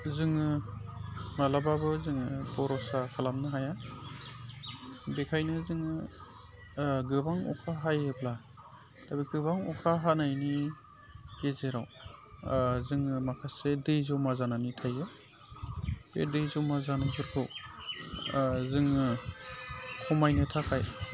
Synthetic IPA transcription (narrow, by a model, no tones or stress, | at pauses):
zɯŋɯ | malababɯzɯŋɯbɔɾɔsakʰalamnɯɦaja | dekʰajnɯzɯŋɯ | ɡɯbaŋɔ̰kʰaɦajebla | tabiɡɯbaŋɔkʰaɦanajni | kezeɾaw | zɯŋmakʰasedɯjzɯwmazananitʰajɯ | bḛdɯjzɔmazanɯbɯɾkʰɯw | zɯŋ | kʰɔmajnɯtʰakʰaj